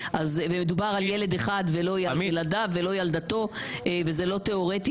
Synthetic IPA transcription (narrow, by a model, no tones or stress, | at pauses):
ʔazvemed̪ubaʁaljele̞d̪eχad̪velo̞jalad̪avelo̞jald̪at̪o̞evezelo̞t̪eo̞ʁet̪i